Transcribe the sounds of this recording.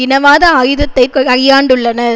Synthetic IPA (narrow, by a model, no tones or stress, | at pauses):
ɪnɐʋaːðɐɐjɯðɐt̪ːɐɪkɯɐɾɪjaːɳɖɯɭːɐnɐ